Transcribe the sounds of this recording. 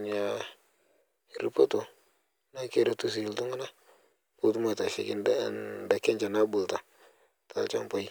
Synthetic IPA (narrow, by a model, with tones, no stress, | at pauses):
ɲa˨ | i˨ɾi˨po˦to˨˦ | na˦ke˦˨ɾe˨tu˨s̬i˨ltu˦ŋu˦na˦ | bu˦ltu˦mo˦˨ta˨ʃɪ̰˨kɪ˦nda˦˨nda˨kɛ˦nt͡ʃa˨na˦bʊ˨lta˨ | ta˨lt͡ʃa̰˦mpa˦i˦